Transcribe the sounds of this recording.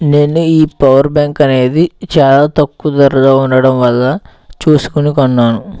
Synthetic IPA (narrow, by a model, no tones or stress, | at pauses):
ne̞ːnuiːpɐʋɐɾbaːŋkɐne̞ːd̪it͡ʃaːlaːt̪ɐkːud̪ɐɾɐd̪aːunɖɐɽɐmʋɐlːɐ | t͡ʃuːsu̥kunikɔnːaːnu